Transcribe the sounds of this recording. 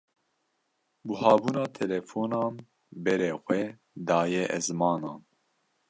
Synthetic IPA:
buhɑːbuːnɑːt̪ʰɛlɛfoːnɑːn | bɛɾeːxʷɛ | d̪ɑːjɛʔɛzmɑːnɑːn

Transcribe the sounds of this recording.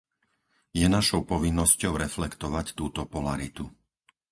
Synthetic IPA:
jɛnaʃɔʊpɔʋinːɔscɔʊɾɛflɛkt̪ɔʋact̪uːt̪ɔpɔlaɾit̪u

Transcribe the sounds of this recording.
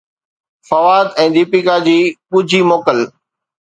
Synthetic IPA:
fɐʋaːd̪ɛ̃ːd̪iːpikad͡ʑiːɓʊd͡ʑʱimoːkəl

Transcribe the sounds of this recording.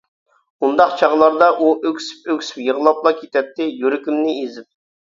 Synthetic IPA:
und̪ɑqt͡ʃʰɑʁlˠɑɾd̪ɑʔuʔøkʲsi̥pøkʲsɪ̥pjəʁlˠɑplˠɑkʲʰet̪ʰɛp̚t̪ɪjyɾɪkʲimnɪezɪp̚

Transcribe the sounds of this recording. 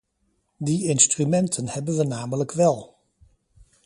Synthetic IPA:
diɪnstrymɛntʰənhɛbənʋənaːmələkʋɛlˠ

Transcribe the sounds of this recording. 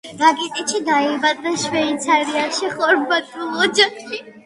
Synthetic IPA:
ɾaɡit̪ʼɛʃid̪aibad̪ɾaʃwɛit̪sʰaɾiaʃiχɔɾmbat̪ʼulˠɔd͡ʒaχʃi

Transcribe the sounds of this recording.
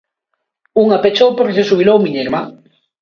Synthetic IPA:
uŋapet͡ʃowpoɾsesuβilowmiɲeɾmaŋ

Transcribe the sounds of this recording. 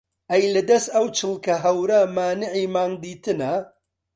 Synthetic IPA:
ʔɐjlɐd̪ɐst̪ɐwt͡ʃʰɨlˠkɐɦɐwɾɐmaːnɪʕimaːŋd̪iːt̪ɨnɐ

